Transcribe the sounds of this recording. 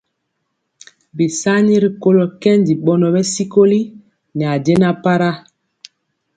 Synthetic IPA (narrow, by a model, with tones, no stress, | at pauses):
bi˨sa˦ni˦ɾi˨ko˦lɔ˨kɛ˦ndi˨ɓɔ˦nɔ˨bɛ˦si˦ko˦li˦ | ni˨a˨de˦na˦pa˦ɾa˦